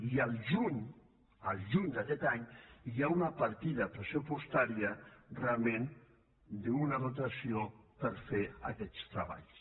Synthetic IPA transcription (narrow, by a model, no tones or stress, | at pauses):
ialʒuɲ | alˠʒuɲd̪akɛt̪aɲjaunapaɾt̪iðɐpɾesupust̪aɾjarealˠmẽn | d̪eunaðut̪asiopəɾfea̰kɛt̪st̪ɾaβa̰ʎs